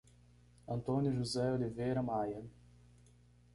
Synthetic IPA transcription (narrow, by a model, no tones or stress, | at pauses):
ɐ̃nt̪õnjʊʒuzɛolivejɾɐmajɐ